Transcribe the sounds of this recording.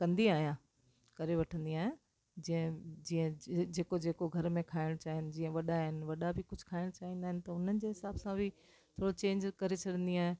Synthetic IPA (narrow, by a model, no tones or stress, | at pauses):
kɐ̃nd̪iaːɦijã | kɐɾeʋɐʈʰə̃nd̪iaːɦɪn | d͡ʑiːə̃d͡ʑiːə̃d͡ʑeːkod͡ʑeːkoɡʱɐɾmẽkʰaːɪɽ̃t͡ɕaːɦɪnɪ̆d͡ʑiːə̃ʋɐɗaɦɪnɪ̆ʋɐɗabʱɪkʊd͡ʑʱʊ̥kʰaːɪɽ̃t͡ɕaːʋĩːnd̪aːɦɪnɪ̆t̪ɐʊn̤ənɪ̆d͡ʑeːɦɪsaːbsãbʱɪ | t̪ʰoːɽot͡ɕẽːɲd͡ʑkɐɾet͡ɕʰɐɗə̃nd̪iaːɦẽ